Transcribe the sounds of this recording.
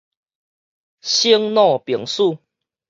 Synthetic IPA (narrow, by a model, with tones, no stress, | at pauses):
ɕi˦ŋnɔ̃˥˧˨pji˨˩ŋsu˥˨